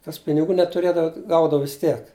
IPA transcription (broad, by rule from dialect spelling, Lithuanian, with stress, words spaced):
kɐs pʲɪnʲɪˈɡuː nʲɛtʊˈrʲeːdɐʋɐ ˈɡɐʊdɐʋɐ ʋʲɪs ˈtʲiɛk